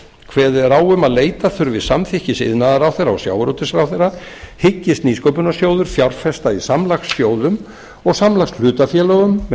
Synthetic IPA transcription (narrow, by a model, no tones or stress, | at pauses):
kʰvɛːðɪɾaːwʏmaðleːjt̪aθʏɾvɪðsamθɪhcɪsɪ̰ðnaðaɾawθeɾːaɔ̰sja̰ːwɾowt̪ɪsɾawθejra | hɪcːɪst̪niːskowpʏnasjoːwðʏɾ̥fjawɾfɛst̪aisamlaxsːjoːwðʏm | ɔɣsamlaxsl̥ʏːt̪afjɛːlœɣʏmː